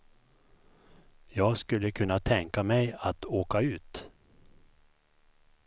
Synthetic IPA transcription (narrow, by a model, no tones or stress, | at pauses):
jɑːɡskɵlːəkʰɵnːat̪ʰɛŋkamɛjat̪oːkaʉ̟ːt̪